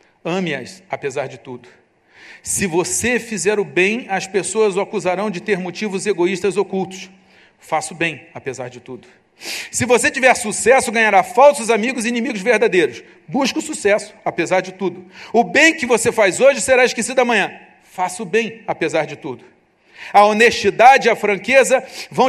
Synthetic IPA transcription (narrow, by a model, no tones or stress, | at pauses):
ɐ̃mɪɐ̰sapezaɾd͡ʒɪt̪ud̪ʊ | sɪvosefizɛɾʊbẽj̃ɐspesoɐzʊakuzaɾɐ̃w̃d͡ʒɪt̪eɾmot͡ʃivʊzeɡoiʃt̪ɐzokuwt̪ʊ̥s | fasʊbẽj̃apezaɾd͡ʒɪt̪ud̪ʊ | sɪvoset͡ʃivɛɾsusɛsʊɡɐ̃ɲaɾafawsʊzamiɡʊzinĩmiɡʊzveɾd̪ad̪ejɾʊs | buʃkʊsusɛsʊ̥apezaɾd͡ʒɪt̪ud̪ʊʊbẽj̃kɪvosefajzoʒɪseɾaiʃkesid̪ʊɐmɐ̃ɲ̃ɐ̃ | fasʊbẽj̃apezaɾd͡ʒɪt̪ud̪ʊ | ɐoneʃt͡ʃid̪ad͡ʒɪiɐfɾɐ̃ŋkezɐvɐ̃w̃